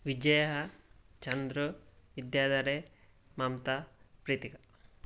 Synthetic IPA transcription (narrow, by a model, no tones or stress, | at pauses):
ʋid͡ʒɐjɐɦɐt͡ʃɐnd̪ɾuʋid̪jaːd̪ɐɾe | mɐmt̪ɐpɾiːt̪ikɐ